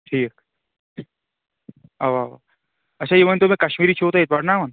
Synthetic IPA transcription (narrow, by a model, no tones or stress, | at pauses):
ʈʰiːk | aʋaːʋa̰ | ɐtːʃʰajemɐnt̪omẽkɐʃmiːɾit͡ʃʰot̪aɪt̪̚bɐɽnaːmɐn